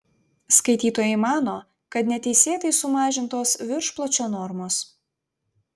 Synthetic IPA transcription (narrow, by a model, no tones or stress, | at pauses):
skɐɪt̪ʲiːt̪oːjɛɪmɑːnoː | kɐt̪nʲɛt̪ʲɛɪsʲeːt̪ɐɪsʊmɑːʒʲɪnt̪oːsʋʲɪɾʃplˠɐt͡ʃʲoːnɔɾmoːs